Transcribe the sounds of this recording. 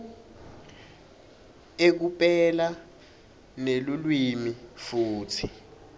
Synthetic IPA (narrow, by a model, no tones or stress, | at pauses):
ek̬upʼɛla | nelulwimifuːtʰi